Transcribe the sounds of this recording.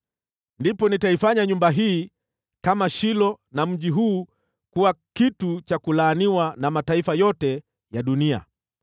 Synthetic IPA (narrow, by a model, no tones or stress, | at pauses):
ndipɔnitaifaɲaɲumbaɦiː | kamaʃilɔ | nam̩ʄiɦuː | kuwakitut͡ʃakulaːniwanamataifajɔtɛ | jaɗunia̰